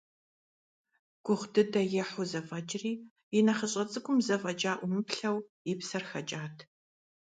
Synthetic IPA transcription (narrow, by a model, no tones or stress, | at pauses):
ɡ̥ʷʊʁdɨdɐjɛħʊzɐfɐt͡ʃʼɪriː | ɪnɐχɐɕʼɐt͡sʼɨɡʷʊmzɐfʼɐd͡ʒaːʔʷʊmɨpɬɐw | ɪpsɐrxɐt͡ʃʼaːtʰ